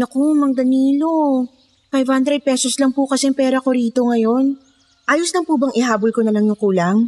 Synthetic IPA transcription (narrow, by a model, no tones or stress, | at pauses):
nɐkomɐŋd̪ɐniːlo̞ | fajv̥hand̪ɾɛd̪̚pɛsoslɐŋpʊkɐsɛŋpɛːɾɐko̞ɾiːt̪o̞ŋɐjo̞n | ʔaːjoslɐŋpubɐŋʔɪɦaːbolko̞nɐnɐŋjʊkuːlɐŋ